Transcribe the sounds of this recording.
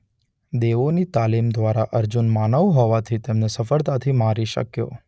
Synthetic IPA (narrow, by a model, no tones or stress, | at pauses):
d̪eʋonit̪alimd̪ʋaɾaʔəɾd͡ʒunmanəʋɦɔʋat̪ʰit̪emnesəfəɾt̪at̪ʰimaɾiʃə̰kjo̰